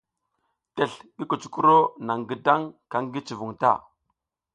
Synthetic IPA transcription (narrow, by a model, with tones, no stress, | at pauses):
te˨ɬɡi˦ko˨t͡ʃu̥˦ku˦ɾo˦na˨ŋɡə˨da˦ŋka˦ŋɡi˦t͡ʃi˨vu˨ŋta̰˦˨